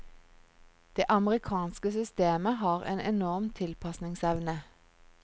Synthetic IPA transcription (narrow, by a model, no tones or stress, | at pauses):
d̪̥eːʔɑməʁɪkʰɑːnskəsʏst̪eːməhɑːʁḛːnɛnɔʁmt̪ʰɪlpʰɑsnɪŋsɛʋnə